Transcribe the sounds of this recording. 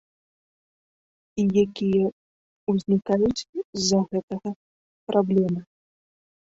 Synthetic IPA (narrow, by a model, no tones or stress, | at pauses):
ijakʲijɐ | uzʲnʲikajut͡sʲzzːɐɣɛt̪ɐɣɐ | pɾʔablʲɛmɐ